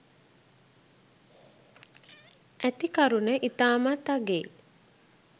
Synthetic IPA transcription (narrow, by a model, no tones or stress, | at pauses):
æt̪ikaɾunəʔit̪aːmat̪aɡeː